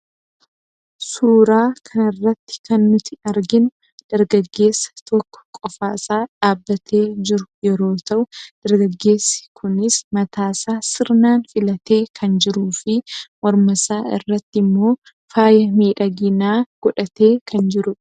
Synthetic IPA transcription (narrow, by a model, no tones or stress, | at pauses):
suːɾaːkʰɐnɪrːɐt̪ːɪ̥kɐnːʊt̪ɪɐɾɡɪn | d̪̥ɐɾɡɐɡːe̞ːsːɐ̥t̪ʰɔkːɔ̥kʼɔfaːsaːᶑaːbːɐt̪ʰe̞ːd͡ʒɪɾʊjɛɾo̞ːt̪ɐʔʊd̪̥ɐɾɡɐɡːe̞ːsːɪ̥kʰʊnɪsmɐt̪ʰaːsaːsɪɾnaːnfɪlɐt̪eːkʰɐnd͡ʒɪɾuːfɪmɔɾmɐsaːɪ̰rːɐt̪ːɪmːo̞ː | faːjɐmiːᶑɐɡɪnaːɡ̥ɔᶑɐt̪e̞ːkʰɐnd͡ʒɪɾʊ